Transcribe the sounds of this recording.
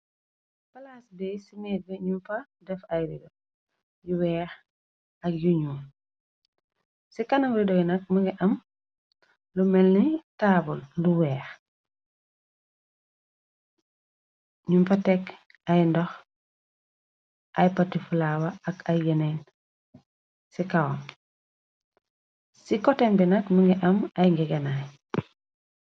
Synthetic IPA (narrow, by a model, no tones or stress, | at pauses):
pɐlaːsbɛjsimɛːd̚bɛɲumfɐ | dɛfɐjɾidɔ | juwɛːx | ɐk̚juɲuːn | sikɐnɐwɾidɔjnɐk̚mɐɡɛʔɐm | lumɛlnitabulːuwɛːx | ɲumpatek | ajndɔx | ʔajpatːifulawaakʰajɡenen | sikawom | sikɔtembinakmuŋɡɛʔɐmajŋɡɛɡenaj